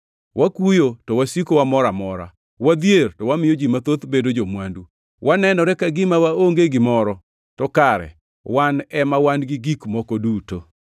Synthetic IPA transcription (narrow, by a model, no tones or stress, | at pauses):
wʔakujotɔwasikowamɔɾamɔɾa̰ | wad̪jertɔwamɪjɔd͡ʒimat̪ot̪bedod͡ʒomwandu | wʔanɛnɔɾɛkaɡɪmawaoŋɡeɡɪmɔɾɔ | tɔkaɾɛ̰ | wanɛmawanɡɪɡikmɔkoduto